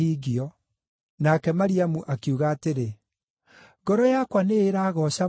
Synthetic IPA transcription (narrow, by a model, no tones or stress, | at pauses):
iːɣiɔ | nakɛmaɾiamuʔakiuɣaːteɾe | ɡɔɾɔjakwaneːɾaːɣɔɕa